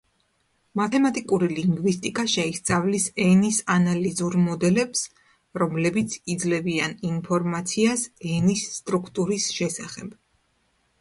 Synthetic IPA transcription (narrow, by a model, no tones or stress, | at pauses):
mat̪ʰɛmat̪ʼikʼuɾiliŋɡvist̪ʼikʼaʃɛist̪sʼavlisɛnisanalizuɾmɔd̪ɛlɛps | ɾɔmlɛbit̪sʰid̪zlɛvianinpʰɔɾmat̪sʰiasɛnisːt̪ʼɾukʰt̪ʼuɾisʃɛsaχɛb̥